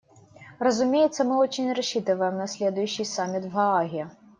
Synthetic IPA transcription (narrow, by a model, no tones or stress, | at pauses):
rɐzʊmʲejɛt̪sːɐmɨɔt͡ɕinʲrɐɕːit̪ɨvəjəmnɐsʲlʲed̪ʊjʉɕːɨjsamʲit̪vɣɐaɣʲiɐ